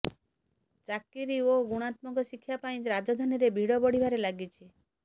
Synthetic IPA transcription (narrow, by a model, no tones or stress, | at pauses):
t͡ʃakiɾioɡuɽ̃at̪mɔkɔʃikʰːjapaĩɾad͡ʒɔd̪ʱaniɾebʱiɽɔbɔɽ̤ibʱaɾelaɡit͡ʃʰi